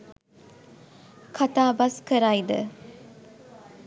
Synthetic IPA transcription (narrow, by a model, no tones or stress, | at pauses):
kʰat̪aːbɐskəɾajd̪ə̰